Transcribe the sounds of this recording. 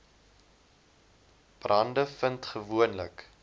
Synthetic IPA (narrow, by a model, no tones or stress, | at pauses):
b̥rɐndəfəntχəvuənlə̰k